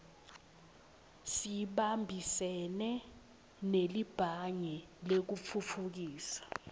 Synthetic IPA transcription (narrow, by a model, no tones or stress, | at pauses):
siɓambʱisɛnɛ | nelib̥ʱaɲɛlek̬ufʰufʰuk̬iːsḁ